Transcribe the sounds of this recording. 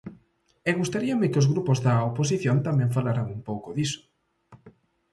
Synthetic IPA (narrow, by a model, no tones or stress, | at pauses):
ɛɣust̪aɾiamekɪozɣɾupʊzðɐopos̬iθjont̪amɛ̃ɱfalaɾaŋumpowkʊðisʊ̥